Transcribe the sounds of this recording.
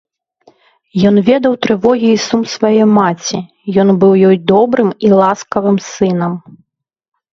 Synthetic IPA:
jɔnvʲɛd̪ɐwt̪ɾɨvɔɣʲiːsumsvajɛmat͡sʲi | jɔnbɨwjɔjd̪ɔbɾɨmilˠaskɐvɨmsɨnɐm

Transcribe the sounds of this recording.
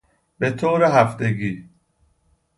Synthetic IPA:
b̥et̪ʰoːɾeɦæft̪eɡiː

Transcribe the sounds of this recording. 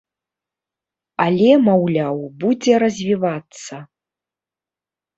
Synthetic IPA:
alʲɛmawlʲawbud͡zʲɛɾɐzʲvʲivat̪sːɐ

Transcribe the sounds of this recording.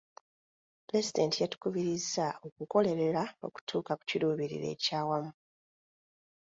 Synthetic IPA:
pɾe̞zide̞ntijatu̥kuβiɾizːao̞kuko̞le̞ɾe̞ɾao̞̰ku̥tʰuːkaku̥ciɾuːβiɾḭɾe̞̰ːcaːwamu

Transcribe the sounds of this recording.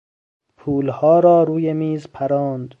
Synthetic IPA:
pʰuːlhɒːɾɒːɾuːjemiːzpʰæɾɒːnd̪

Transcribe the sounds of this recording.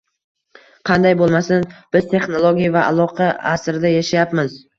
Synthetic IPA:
qʰɑnd̪ajbolˠmasanb̥ɪz̥t̪ʰe̞χnolˠoɡʲijavaʔa̰lˠɒqʰɑasɾɪd̪ajaʃajapmɪz

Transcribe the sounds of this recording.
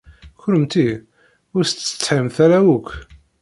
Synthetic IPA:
çʊɾəmt̪i | ʊɾst͡sːə̥t͡sːħimθæɾæwukʷː

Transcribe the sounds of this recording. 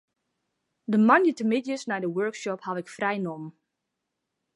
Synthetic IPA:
dəmanjətəmɪtjəsnɛjdəwøɹkʃɔphaʋɪkfrɛjnɔm

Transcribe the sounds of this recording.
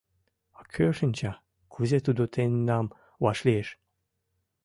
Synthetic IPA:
ɑkʰøʃənʲt͡ɕɑ | kʰuzet̪ud̪ot̪ʰenːɑm | wɑʃlieʃ

